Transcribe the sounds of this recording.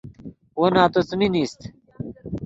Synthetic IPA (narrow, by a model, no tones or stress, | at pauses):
wonaːt̪ot͡sminist̪